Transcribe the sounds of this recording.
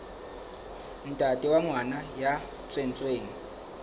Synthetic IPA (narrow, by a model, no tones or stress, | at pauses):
n̩tʼatʼiwaŋwanaja | t͡sʼwen̩t͡sʼweːni